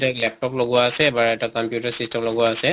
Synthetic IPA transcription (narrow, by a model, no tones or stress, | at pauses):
tɛklɛp̚tɔploɡʊwaːsɛːbaɹɛtakɔmpjutaɹsistɛmloɡʊwaːsɛ